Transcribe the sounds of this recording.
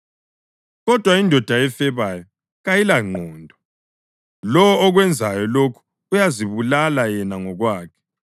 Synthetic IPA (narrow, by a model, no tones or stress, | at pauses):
ɣɔd̥ʱwaindʱɔd̥ʱaɛfɛβajɔ | ɣajilaŋ͡ǃʱɔːndʱɔ | lɔwːɣwɛnd͡zʱajɔlokʰu̥ | ujaziβulalajɛnaŋɔɣwaːkʰɛ̥